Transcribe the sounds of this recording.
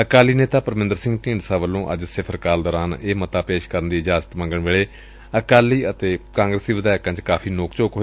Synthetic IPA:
əkaːliːneːt̪aːpəɾmɪ̃nd̪əɾsɪ̃ŋɡʈĩːɳɖsaːʋəlːõːʔə̰d͡ʒsɪpʰəɾkaːld̪ɔːɾaːneːmət̪aːpeːʃkəɾənd̪iːɪd͡ʒaːzə̥t̪mə̃ŋɡəɳʋeːɭeː | əkaːliːət̪eːkãːŋɡɾəsd̪iːʋəd̪aːkãːt͡ʃkaːfʰiːnoːkt͡ʃoːkɦoː

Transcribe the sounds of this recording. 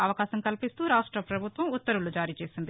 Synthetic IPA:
ɐʋɐkaːsɐmkɐlpist̪uːɾaːʂʈɾɐpɾɐbʱut̪ʋɐmut̪ːɐɾulud͡ʒaːɾiːt͡ʃe̞ːsind̪i

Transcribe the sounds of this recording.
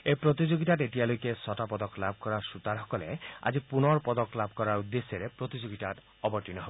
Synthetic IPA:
epɾot̪id͡ʒoɡiʈaʈeʈialojkesɔʈapɔd̪ɔklabʱɔkɔɾasut̪aɾɦɔkɔlḛa̰d͡ʒipunɔɾpɔd̪ɔklabʱkɔɾaɾud̪ːesjɔɾepɾot̪id͡ʒoɡiʈaʈ | ɔbɔʈinɔɦebo

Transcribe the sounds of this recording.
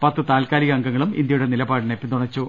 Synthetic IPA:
pɐt̪ːɨt̪aːlkaːliɣɐɐŋɡɐŋːɐɭumḭnd̪jɐjuɽenilɐbaːɽɨnepʲːit̪uɳɐt͡ɕːu

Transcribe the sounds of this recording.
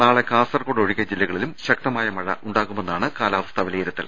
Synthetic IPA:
naːɭe̞kaːsɐrkoːɽoɻiɣʲɐd͡ʑilːɐɣɐɭilumɕɐk̚t̪ɐmaːjɐmɐɻɐ̰ʔʔuɳɖaːɣume̞nːaːɳɨkaːlaːʋɐst̪ʰɐʋileːiɾɐt̪ːɐ̰l

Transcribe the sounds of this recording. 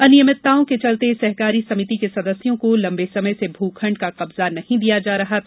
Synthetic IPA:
ɐnɪjəmɪt̪ːaːõket͡ʃɐlt̪esɐɦkaːɾisɐmɪt̪ikesɐd̪əsjõkolɐ̃mbesɐməjsebʱuːkʰə̃ɳɖkaqɐbzanɐhĩd̪ijad͡ʒaːɾɐɦat̪ʰː

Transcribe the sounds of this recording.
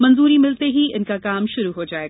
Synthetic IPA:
mɐ̃nzuːɾimɪlt̪eɦiʔɪnkakaːmʃʊɾuɦod͡ʒaːeɡa

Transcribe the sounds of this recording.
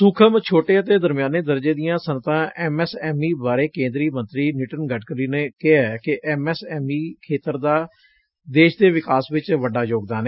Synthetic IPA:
sʊkʰəmt͡ʃʰoːʈeːət̪eːd̪əɾmjaːneːd̪əɾd͡ʒeːd̪ɪjãːsənt̪ãːʔɛːmɛːsɛːmiːbaːɾeːkẽːnd̪ɾiːmə̃nt̪ɾiːnɪʈənɡəʈʰkəɾiːneːkɪɦɛkɪʔɛːmɛːsɛːmiːkʰeːt̪əɾd̪aː | d̪eːʃd̪eːʋɪkaːsʋɪt͡ʃʋəɖːaːjoːɡ̚d̪aːneː

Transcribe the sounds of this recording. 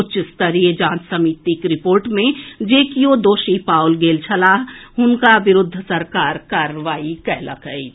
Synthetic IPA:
ʊt͡ʃɪst̪əɾied͡ʒãːt͡ʃsəmiːt̪ikɾɪpoːɾʈmẽd͡ʒeːkiod̪oːʃipaːʊlɡeːlt͡ʃʰɐlaːɦɦʊnkaʋɪɾʊd̪ʱːsɐɾkaːɾkaːɾəʋaːikɛɦlɐ̰kɦəi

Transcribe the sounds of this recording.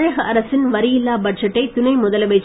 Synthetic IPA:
eːɣɐʔɐɾɐsɪnʋɐɾɪjɪlːaːbɐʈ̚d͡ʒɐʈːɐɪt̪ʊnɐɪmʊðɐlɐʋɐɪt͡ʃː

